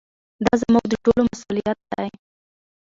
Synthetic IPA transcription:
d̪ɑzamuɡ̚d̪əʈolomasulijat̪̚d̪aj

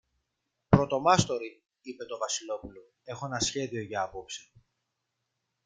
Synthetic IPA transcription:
pɾo̞t̪o̞mɐst̪o̞ɾi | ipe̞t̪o̞vɐsilo̞pulo | e̞xo̞e̞nɐsçe̞ðio̞ʝɐɐpo̞psi̥

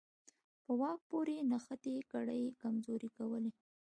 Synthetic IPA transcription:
pəwɑk̚poɾenaxət̪ekaɽəjkamzoɾikawəle

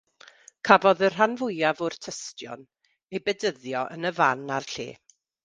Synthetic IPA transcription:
kʰavɔðər̥ɦanvʊjavʊrtʰəstjɔ̰n | ejbɛdəðjɔʔə̰nəvanarɬḛː

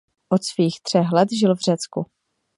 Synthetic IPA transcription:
ʔot̪sviːxt̪r̝̥ɛxlɛt̪ʒɪlvr̝̥ɛt͡sku

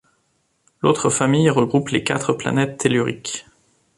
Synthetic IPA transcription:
lot̪χəfamijʁəɡʁuplekat̪χəpla̰nɛt̪ːelyʁik

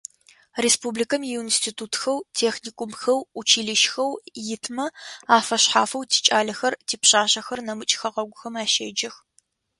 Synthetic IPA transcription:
reːspuːblikʰɐmjiwnstʰitʰuːtxɐwtʰeːxniːkʷʼumxɐwut͡ʃʰiːɮɨʃxɐwjɪtʰmɐaːfɐɕħaːfɐwtʰi̥ːt͡ʃʼaːɮɐxɐrtʰiːpɕaːɕɐxɐrnɐmɨt͡ʃʼxɐʁɐɡʷʊxɐmaːʃɐ̰d͡ʒɐx

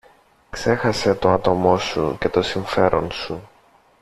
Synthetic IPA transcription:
kse̞xɐse̞t̪o̞ɐt̪o̞mo̞sṵce̞t̪o̞siɱfe̞ɾʔo̞nsu

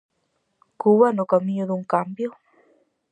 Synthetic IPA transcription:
kuwanokamiɲoðuŋkambjo

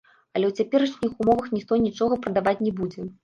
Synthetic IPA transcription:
ɐlʲɛwt͡sʲapʲɛɾɐʂnʲixumɔvɐxnʲixt̪ɔjnʲit͡ʂɔɣɐpɾɐd̪avat͡sʲnʲɛbud͡zʲɛ

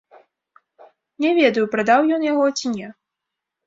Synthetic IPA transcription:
nʲɛvʲɛd̪ɐjupɾad̪awjɔnjaɣɔt͡sʲinʲɛ

